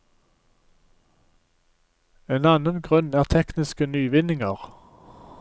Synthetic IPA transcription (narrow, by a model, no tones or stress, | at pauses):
eːnɑnənɡʁʉnæːʁt̪ʰɛknɪskənyːʋɪnɪŋəʁ